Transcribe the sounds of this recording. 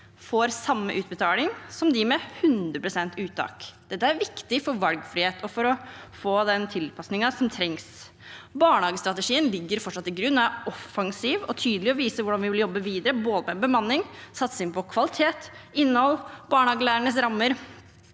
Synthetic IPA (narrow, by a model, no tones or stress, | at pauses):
foːɾsɑmːəʔʉːt̪bət̪ʰɑːlɪŋsɔmd̪ɪmɛhʉnd̪ɾəpɾʊsɛnt̪ʉːt̪ɑ̰ːkd̪̥ɛt̪ːəæɾʋɪkt̪ɪfɔɾʋɑlɡfɾɪheːt̪ʰɔfɔɾɔfoːd̪ɛnt̪ʰɪlpʰɑsnɪŋɑsɔmt̪ʰɾɛŋs | bɑːɳəhɑːɡəst̪ɾɑt̪əʂiːənlɪɡːəɾfɔʈʂɑt̪ːɪɡɾʉnːɑʔɔfːɑŋsiːʋɔt̪ʰyːd̪əlɪɔʋiːsəʋʊɖɑnʋɪʋɪljɔbːəʋiːd̪əɾəboːd̪əmɛbəmɑnːɪŋsɑt̪səɪnpɔkʰʋɑlɪt̪ʰeːt̪ɪnːəhɔlːbɑːɳəhɑːɡəlæːɾəɳəsɾɑmːəɾ